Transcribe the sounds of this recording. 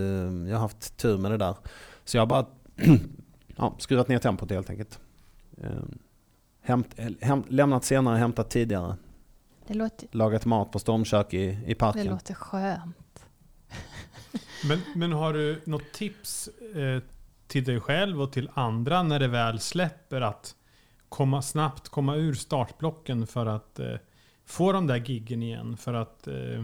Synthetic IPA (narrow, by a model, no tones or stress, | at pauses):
jɑːhaɾhaft̪ʰːʉ̟ːɾmɛd̪ɛd̪æːɾsɔjɑɡhabɑːɾa | ʔɑ̰ːskɾʉ̟ːvat̪neːɾʈ̪ʰɛmpʊt̪heːlt̪ʰɛ̰ŋkəlt̪ | hɛmt̪ɦɛmlɛmnat̪seːnaɾəɦɛmt̪at̪ʰːiːd̪ɪɡaɾə̰ | d̪ɛlɑːɡat̪mɑːt̪̚pʰɔst̪ɔɾmɕøːkɪɪpʰaɾɛəoːt̪əɧøːnt̪ | mɛnmɛnɦaɖɵnɔt̪ʰːɪps | t̪ʰɪld̪ɛjɧɛlvɔt̪ʰɪland̪ɾanæɖɛvɛːlslɛpːəɾat̪ | kʰɔmːasnapt̪kʰɔmːaʉ̟ːɾst̪ɑːʈblɔkːənfœɾat̪ | foːd̪ɔmd̪æɾɡɪɡːənɪjɛ̰nːfœɾat̪